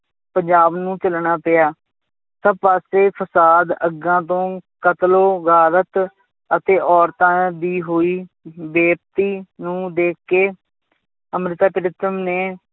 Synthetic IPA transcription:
pəɲd͡ʒaːbnũːt͡ʃəlɳaːpɪaː | səb̚paːseːpʰəsaːd̪əɡãːt̪̬õːkət̪loːɡʱaːɾət̪ | ət̪eːʔɔːɾt̪ãːd̪iːɦoːiː | beːp̚t̪iːnũːd̪eːkːeː | əmɾɪt̪aːpəɾɪt̪əmneː

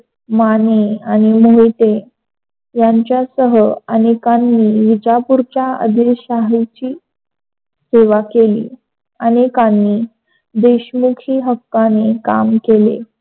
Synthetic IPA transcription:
maneañimoɦit̪e | jaɲt͡ɕjasəɦəənekanːiːʋid͡ʑapuɾt͡ɕaə̰d̪ʱiɕaɦit͡ɕiː | seʋakelḭː | anekãnːiː | d̪eɕmukʰiːɦəkːanekamkelḛ

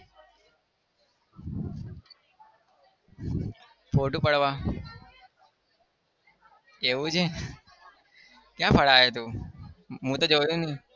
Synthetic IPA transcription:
pʰoːʈuːpəɽʋaː | eːuːd͡ʒẽː | kjãːpʰəɽaːɦeːt̪uː | mũːt̪əːd͡ʒoːjũːnĩː

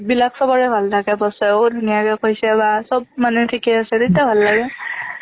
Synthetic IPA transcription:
bilaksɔbɔɹɛbʱaltʰaɡɛbɔsɛodʱunijakɛkojsɛbasɔb̚manɛtʰikɛasɛtetabʱalːaɡɛ

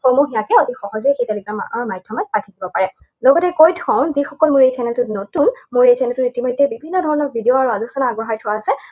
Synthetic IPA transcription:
xomuxijakɛotixɔɦɔzɔɛxetalikamajdʱjɔmat̚patʰidibɔpaɹɛ | lɔɡɔtɛkojtʰɔ̃ʊ̃nzixɔkɔlmʊɹejtʰɛnɛltʊtnotunmʊɹejtʰɛnɛltʊitimɔjdːɛbibʱinːɔdʱɔɹɔnɔk̚bʱidioaɹualuksɔnaaɡɔɦaɹtʰʊwaːsɛ

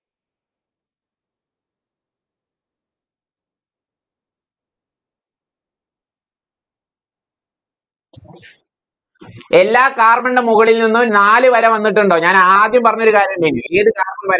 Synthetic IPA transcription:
e̞lːaːkaːrmɐɳɖemuɣɐɭilninːunaːlɨʋɐɾɐmʋɐnːiʈ̬ːuɳɖo̞ːɲaːnaːd̪jɐmpɐrɐɲːo̞ɾukaːɾjɐmdinːɨeːðɨkaːrmɐʋɐɾ

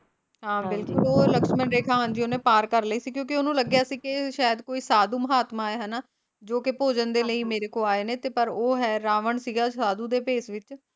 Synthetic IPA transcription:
ɦãːbɪlkʊloːləkʃmənɾeːkʰaːɦənd͡ʒiːoːnẽːpaːɾkəɾləiːsiːkjõːk̬ɪoːnũːləɡjaːsiːkɪʃaːjəd̪koːiːsaːd̪uːməɦaːt̪maːeːɦənaː | d͡ʒoːkɪpoːd͡ʒənd̪eːləiːmeːɾeːkoːaːeːneːt̪eːpəɾoːɦɛːɾaːʋəɳsiːɡaːsaːd̪uːd̪eːpeːsʋɪt͡ʃ

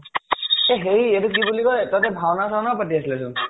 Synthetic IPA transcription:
eɦeietuk̬ibulikɔjt̪ɔt̪ɛbʱawnasanapət̬iaslɛsun

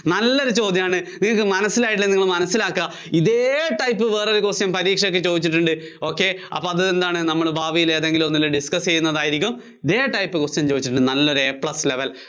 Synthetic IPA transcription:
nɐlːo̞ɾut͡ɕo̞ːd̪jɐmaːɳɨniŋːɐɭkɨmɐnɐsːilaːjʈ̬ilːɐniŋːɐɭmɐnɐsːilaːkːɨɐ | iðeːʈɐjpːɨʋe̞ːro̞ɾukosjɐmpɐɾiːkʂɐokːet͡ɕo̞ːd̪it͡ɕːiʈ̬ːuɳɖɨ | o̞ːkːe̞ɐ̰pːoɐðɨend̪aːɳɨnɐmːɐɭbʱaːʋijileːɐðe̞ŋɡilonːilːɨɖiskɐst͡ɕe̞jːunːɐðaːjiɾikʲːum | iðe̞ːʈɐjpːɨkosjɐmt͡ɕo̞ːd̪it͡ɕːiʈuɳɖɨnɐlːo̞ɾuepɭɐsle̞ʋɐl

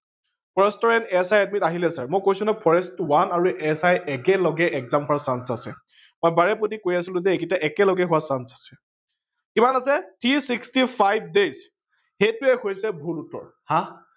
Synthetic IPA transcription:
pʰɔɹɛstɔɹɛntɛsajatmitaɦilɛsaɹmojkojsũnapʰɔɹɛstwanaɹuʔɛsajɛkɛlɔɡɛʔɛkzampʰasansasɛ | mɔjbaɹɛpotikojasilʊ̃zɛekitaʔɛkɛlɔɡɛɦʊwasansḁsɛ̥ | kimanasɛtʰisikstipʰajb̚ʱdez | hejtʊɛkʰojsɛbʱulutːɔ̰ɹhã

